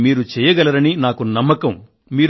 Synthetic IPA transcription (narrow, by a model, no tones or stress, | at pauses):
miːɾut͡ʃɛːjɐɡɐlɐɾɐninaːkunɐmːɐkɐm | miːɾ